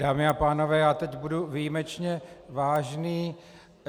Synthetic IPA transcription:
daːmɪapaːno̞vɛːjaːt̪ɛcbuduvijimɛt͡ʃɲɛvaːʒniː

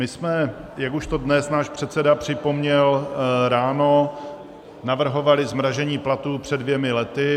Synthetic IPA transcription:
mɪsmɛjakuʃt̪o̞dnɛsnaːʃpr̝̥ɛt̪sɛdapr̝̥ɪpo̞mɲɛlɾaːno | navr̩ɦo̞valɪzmɾaʒɛɲiːplat̪uːpr̝̥ɛdvjɛmɪlɛt̪ɪ

